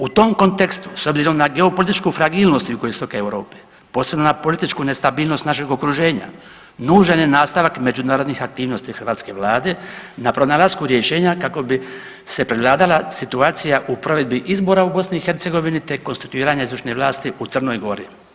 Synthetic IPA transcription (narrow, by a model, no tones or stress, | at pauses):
ut̪o̞mko̞nt̪e̞kst̪u̥so̞bziɾo̞mnaɡe̞opo̞lit̪it͡ʃkufɾaɡiːlˠno̞st̪ukojest̪okaewɾo̞ːpe̥ | po̞ːsɾe̞bnonapo̞lit̪it͡ʃkune̞st̪abiːlˠno̞st̪naʃeɡo̞kɾuʒe̞ːɲa̰ | nuːʒanenaːst̪aʋakme̞d͡ʒunaːɾo̞d̪nixak̚t̪iːʋno̞st̪ixr̩ʋaːt̪ske̞ʋlaːd̪e̞napɾo̞nalaskuɾjeʃe̞ːɲakako̞bi | se̞pɾeʋlˠaːd̪alasit̪uaːt̪sijaʔupɾo̞ʋe̞d̪̚biʔizbo̞ːɾaubo̞sniːxe̞ɾt̪se̞ɡo̞ʋinit̪e̞ko̞nst̪i̥t̪uiːɾaɲaizɾuʃneʋlˠaːst̪iʔut̪sr̩no̞jɡo̞ɾḭ